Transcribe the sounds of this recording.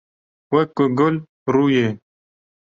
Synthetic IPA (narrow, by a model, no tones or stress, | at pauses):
wekoɡʊl | ɾuje